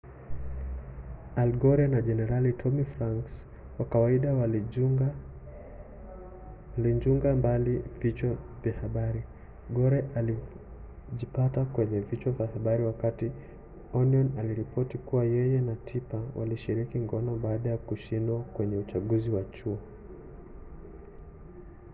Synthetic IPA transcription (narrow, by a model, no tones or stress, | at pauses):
alɡɔɾianaʄɛnɛɾalitʰɔmifɾaŋks | wakawaiɗaw | liɲd͡ʒuŋɡambalivit͡ʃavjahaɓaɾi | ɡɔɾɛʔali | ʄipatakwɛɲɛvit͡ʃwavjahaɓaɾiwakati | ɔniɔnaliɾipɔtikuwajɛjɛnatʰipawʔa̰liʃiɾikiŋɡɔnɔɓaːɗajakuʃindwakwɛɲɛut͡ʃaɠuziwat͡ʃuɔ